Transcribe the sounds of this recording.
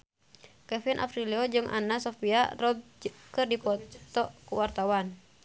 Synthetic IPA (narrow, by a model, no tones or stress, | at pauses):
kɛfinʔa̰pɾiliɔd͡ʒɨŋʔa̰nasɔfia̰rɔb̚kɨrdipɔt̪ɔkuwart̪awan